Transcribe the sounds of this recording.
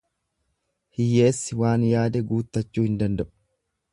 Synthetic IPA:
hɪjːe̞ːsːɪwaːnjaːd̪ɛɡuːt̪ːɐt͡ʃːuːhɪnd̪ɐnd̪ɐʔʊ̥

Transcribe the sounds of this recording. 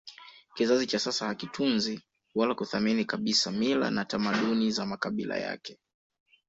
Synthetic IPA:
kizazit͡ʃasasahakitʰunzi | walakuθaminikaɓisamila̰natamaɗunizamakaɓila̰ja̰kɛ

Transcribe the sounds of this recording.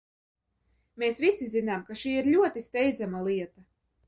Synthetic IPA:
mesvisizinamkaʃiːiɾlʲuɔt̪ist̪ɛjd̪zamalˠiɛt̪a

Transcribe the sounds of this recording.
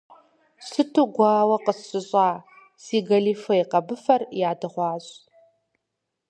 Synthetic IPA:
sɨtʰuɡʷɑːwɐqəsːɨɕʼɑː | siːɡɐliːfɐjqɐbɨfɐrjaːdɨʁʷɑːɕʼ

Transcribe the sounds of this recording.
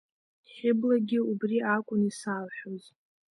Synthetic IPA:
χʲɪblaɡʲɪubriʔakʷʼʊnisaːlħʷᶣoz

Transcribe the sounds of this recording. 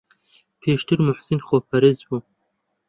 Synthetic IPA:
pʰeːʃt̪ʰɨɾmʊħsɨnχoːpʰɐɾezbu

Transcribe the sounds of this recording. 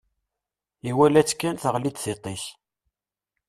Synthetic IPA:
iwælæt͡sːkːænθəʁlid̪θit̪ˤis

